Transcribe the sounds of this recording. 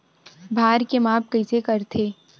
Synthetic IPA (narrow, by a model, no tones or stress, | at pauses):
bʱaːɾkemaːp̚kəɪsekəɾt̪ʰeː